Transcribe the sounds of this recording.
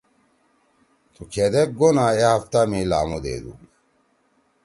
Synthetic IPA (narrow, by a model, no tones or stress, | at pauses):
t̪ʰukʰed̪ek̚ɡonaːehɐft̪amela̰ːmod̪ḛːd̪ṵ